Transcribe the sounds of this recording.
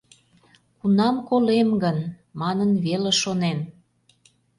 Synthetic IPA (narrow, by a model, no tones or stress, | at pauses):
kunɑmkolemɡən | mɑnənβeleʃonen